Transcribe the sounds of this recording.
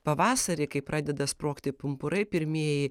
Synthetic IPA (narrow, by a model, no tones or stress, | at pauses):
pɐʋɑːsɐɾʲɪkɐɪpɾʔɑːd̪ʲɛd̪ɐspɾoːkt̪ʲɪpʊmpʊɾɐɪpʲɪɾʲmʲiɛjɪ